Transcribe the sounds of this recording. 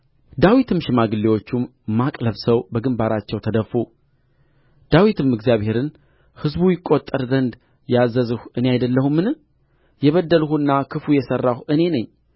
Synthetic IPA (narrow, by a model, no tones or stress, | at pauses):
d̪awit̪ʰɨmʃɪmaɡɨlːewo̞t͡ʃːumː | akʼləβsəwbəɡɨmbaɾat͡ʃːɛwt̪ʰəd̪əfu | d̪̥awit̪ʰɨmɨɡzijaβhe̞ɾɨn | hɨzbujɪkʼːo̞t̪ʼːəɾzənd̪ | jazːəzɨhuɨne̞ajd̪əlːəhumːɨnɨ | jɛβəd̪ːəlhuɨnːakʰɨfujɛsərːahuɨne̞nəɲː